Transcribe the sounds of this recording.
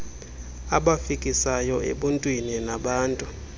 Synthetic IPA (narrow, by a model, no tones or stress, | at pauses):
aɓafikʼisajɔḛɓuntʼwininaɓaːntʼu